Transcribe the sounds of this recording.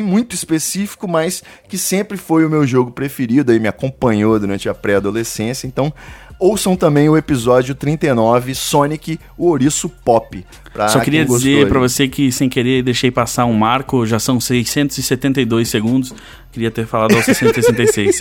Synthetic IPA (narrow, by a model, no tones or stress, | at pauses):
mũj̃t̪ʊispesifi̥kʊmajs | kɪsẽmpɾɪfojʊmewʒoɡʊpɾefeɾid̪ʊaimɪakõpɐ̃ɲod̪uɾɐ̃nt͡ʃɪɐpɾɛad̪olesẽsjɐẽnt̪ɐ̃w̃owsɐ̃w̃t̪ɐ̃mbẽj̃ʊepizɔd͡ʒjʊt̪ɾĩnt̪ejnɔvɪsõnikɪ | ʊoɾisʊpɔpɪ | pɾɐsɔkɪɾiɐd͡ʒizeɾpɾɐvosekɪsẽj̃keɾed̪ejʃejpasaũmaɾkʊʒasɐ̃w̃sejsẽnt̪ʊzɪset̪ẽnt̪ɐjd̪ojsːeɡũnd̪ʊs | kɪɾiɐt̪eɾfalad̪ʊawssẽnt̪ʊsesẽnt̪ejsejs